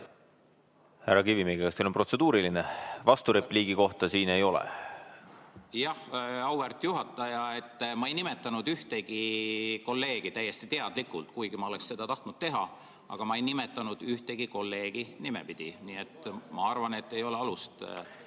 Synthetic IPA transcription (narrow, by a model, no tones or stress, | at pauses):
hærːɑkivimiɡikɑst̪eːlopro̞t̪se̞d̪uːɾilinevɑst̪uɾepliːɡ̥iko̞ht̪ɑsiːne̞jo̞lɛ̰ | jɑhɑwvert̪ːˑjuɦɑt̪ːˑɑjɑe̞t̪ːmɑe̞jnime̞t̪ːˑɑnud̪yht̪e̞ɡ̥iko̞lːe̞ːɡ̥it̪æjːe̞st̪it̪e̞ɑd̪likːˑult̪kujɡ̥imɑo̞le̞ksse̞d̪̥ɑt̪ɑht̪nud̪̥t̪e̞ɦɑ̰ | ɑ̰ɡ̥ɑmɑe̞jnimet̪ːˑɑnud̪̥yht̪e̞ɡ̥iko̞lːe̞ːɡ̥inimḛpid̪̥iniːe̞t̪ːmɑɑrvɑne̞t̪ːe̞jo̞le̞ɑlust̪